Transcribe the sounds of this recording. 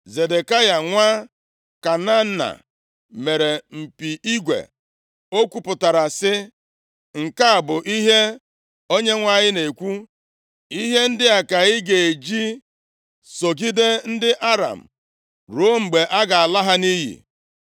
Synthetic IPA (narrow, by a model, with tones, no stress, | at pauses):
ze˨de˨ka˦ja˨ŋʷa˦ | ka˨na˦na̰˨ | me˨ɾe˨m̩˨pi˨ʔi˦ɡʷḛ˨ | o˦kʷu˨pʊ˨ta˨ɾa˨sɪ˦ | ŋ̩˨ka˦a˨bʊ˨ʔi˦ɦe˦ | o˦ɲe˦ŋʷa˨ɲɪ˦ne˨kʷu˦ | i˦ɦe˦n̩˦dɪ˦a˨ka˨ɣɪ˦ɡe˨e˨d͡ʒi˦ | so˨ɡi˦de˦n̩˦dɪ˦ʔa˦ɾa̰˨m̩˨ | ɾo˦ŋ͡m̩˨ɡ͡be˨ʔa˦ɡa˨a˨la˦ɦa˦ni˦ɦḭ˨